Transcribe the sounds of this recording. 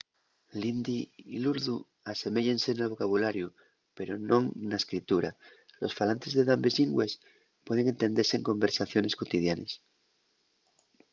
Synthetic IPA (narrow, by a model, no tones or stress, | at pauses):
lind̪iiluɾðu | ase̞me̞ʝense̞nelβ̞o̞kaβulaɾju | pe̞ɾonõ̞ŋnaeskɾit̪uɾalo̞sfalant̪e̞zðe̞ðambezʎiŋɡwe̞s | pwe̞ðe̞ŋe̞nt̪e̞nd̪eɾseŋko̞mbe̞ɾsaθjo̞ne̞skot̪ið̞janes